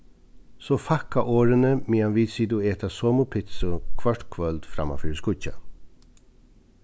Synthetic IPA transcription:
sofakaʔoːɾənəmiːanʋiːd̪siːd̪ueːt̪ʰasoːmʊpʰɪt̪sʊkʰʋaʈkʰʋœld̪̥fɾa̰ma̰fyːɾskʊca̰

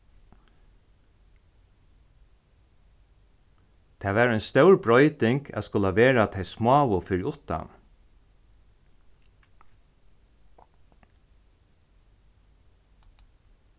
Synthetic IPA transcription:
t̪ʰæːʋæːɹɔjnst̪œwɹbɹɔʏt̪ɪŋkæ̰ːt̪skʊlaʋeːɹat̪ʰeɪjsmɑːʋʊfɪɾɪʊt̪a̰n

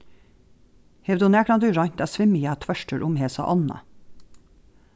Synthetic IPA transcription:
hɛʋd̪ʊnæːknɑnd̪ʉːɾɑɲt̪æːsʋɪmiæːt̪ʰʋœʃʈəɾʔʊmheːsɑ̰ʔɑnə̰

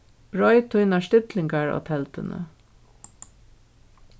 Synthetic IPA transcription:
b̥ɹɔjt̪ʰʊjnaʂt̪ɪt̪lɪŋkaɹɔ̰t̪ʰɛlt̪ɪnə̰

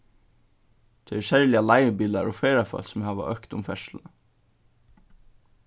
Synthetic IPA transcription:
t̪ʰɛɛʃɛɹlɪalaɪəbiːlaɾɔfeːɾafœ̰lsʊmhæːʋa̰ʔœhkt̪ʊmfɛʂlə

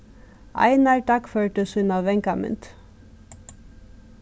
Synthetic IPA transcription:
ʔɑ̰ɪnɑɹʈɑkføːɹʈəsʉnɑʋʋɛŋkɑmʉ̰nt̪

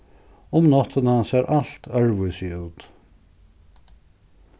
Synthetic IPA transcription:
ʊmnɔt̪ʰənasɛɾʔal̥t̪œɹvʏsiuːt̪

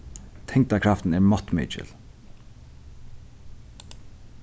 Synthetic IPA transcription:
t̪ʰɛŋkt̪akʰɾaft̪nɛɹmɔt̪mḛt͡ʃɪ̰l

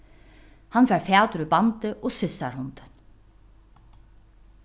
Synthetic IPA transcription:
hanfɛːɾfaːt̪ʏɾʏbant̪ɪʔɔsʏsːaɾhʊnt̪ɪn

